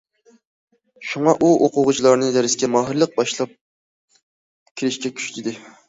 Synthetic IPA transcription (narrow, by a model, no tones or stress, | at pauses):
ʃuŋɑʔuʔoqʰʊʁʊt͡ʃʰilˠɑɾnɨd̪ɛɾɪzkʲɛmɑːɦɨɾlˠəq̚bɑʃlˠɑp̚ | kʲʰiɾɪʃkʲɛkʲʰy̥ʃt̪ʰɪd̪ɪ